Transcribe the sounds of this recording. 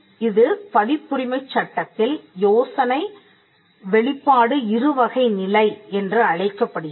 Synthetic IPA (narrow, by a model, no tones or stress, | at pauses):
ɪðɯpɐðɪpːʊɾɪmɐɪt͡ʃːɐʈːɐt̪ːɪljoːsɐnɐɪ | ʋɛɭɪpːaːɽɯɪɾɯʋɐɣɐɪnɪlɐɪɛndrɯɐɻɐɪkːɐpːɐɽɯ